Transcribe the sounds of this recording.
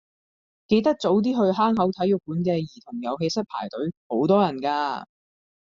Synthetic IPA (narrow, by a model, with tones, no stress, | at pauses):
ke˧jt̪ɐ˥k̚t͡so˨˥wt̪̬iː˥ɦɵ˧ɥɦaː˥ŋɦɐ˨˥wt̪ʰɐ˨˥jʊ˨˩k̚puː˨˥nkɛː˧jiː˨˩t̪ʰʊ˨˩ŋjɐ˨˧wɦe˧jsɐ˥t̚pʰa̰ː˨˩jt̪ɵ˨˥ɥho˨˥wt̪ɔː˥jɐ˨˩nkaː˧